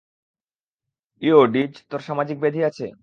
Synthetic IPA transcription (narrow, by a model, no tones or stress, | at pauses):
ioɖid͡ʑt̪oɾʃamad͡ʑik̚bed̪ʱiat͡ɕʰḛ